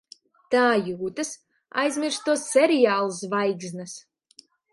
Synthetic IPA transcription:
t̪aːjuːt̪ɨs | a̰jzmʲiɾst̪uɔsːʲɛɾijaːlˠs̬vajɡznɨs

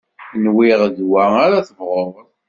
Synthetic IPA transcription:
nwiʁðwæaɾaθəvʁoɾˤ

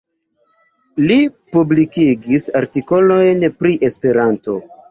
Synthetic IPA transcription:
lipublikiɡisaɾtiko̞lo̞jnpɾiʔe̞spe̞ɾanto̞

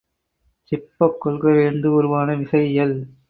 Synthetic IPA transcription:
t͡ʃɪpːɐkːɔɭɣɐɾeːnd̪ɯɔɾɯʋaːnɐʋɪsɐjjɐl

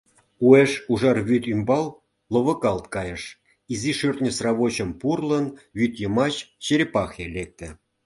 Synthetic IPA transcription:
ueʂuʐɑrβʲyt̪ʲymbɑlˠ | lˠovɤ̆kɑlˠt̪kɑjɤ̆ʂ | iziʂyrʲt̪ʲnʲɘ̆srɑβoɕɤ̆mpurlˠɤ̆nβʲyt̪jɤ̆mɑɕt͡ɕeɾʲpɑxelʲek̚t̪ʲɘ̆

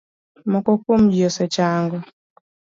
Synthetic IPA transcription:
mɔkɔkomd͡ʒɔsɛt͡ʃaŋɡɔ

